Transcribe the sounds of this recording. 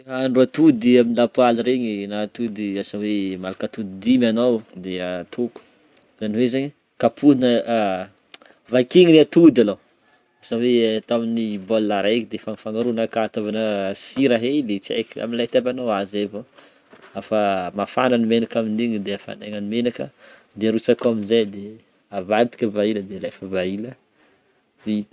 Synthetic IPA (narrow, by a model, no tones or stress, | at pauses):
ɦaaɳɖ͡ʐuat̪ud̪iaminilapualiɾeɲinat̪ud̪iasawemalakat̪ud̪id̪imanowd̪eət̪ʰuku̥ | zaniwezaɲi | kapʰuinə | vakiŋinat̪ud̪alo | asawet̪aminibolːaɾajkid̪efanifaŋaɾunakaːt̪ovanəsiɾaɦelet͡sa̰kia̰milat̪abanowazevo | afamafananimenakamind̪iŋid̪eafa̰neŋanimenakə | d̪eɾut͡sakuaminzajd̪e | avat̪i̥kʲəvailəd̪elajfəvailə | vi